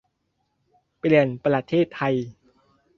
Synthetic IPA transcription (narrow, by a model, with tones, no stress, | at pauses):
pli˨˩ənpɾa˧t̪ʰeː˥˩t̪ʰːa˧j